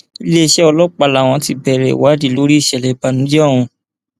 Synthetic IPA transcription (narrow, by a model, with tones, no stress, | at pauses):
i˧le˦i˧ʃɛ˦ɔ˧lɔ˦k͡pa˧˨la˨w̃ɔ̃˧ti˧bɛ˧˨ɾɛ̰˨wa˨˦di˧˦lo˨˦ɾi˦i˦˨ʃɛ˨lɛ˨ba˨˧nũ˨˦d͡ʒɛ˦ɔ˦˨w̃ũ˧